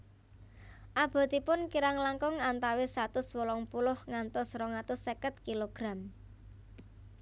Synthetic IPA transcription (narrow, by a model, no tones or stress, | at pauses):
ʔab̥ɔ̤t̪ipʊnkiɾaŋlaŋkʊŋant̪awesat̪ʊswolɔŋpulʊhŋant̪ʊsɾɔŋat̪ʊsːekət̪̚kiloɡ̥ɾam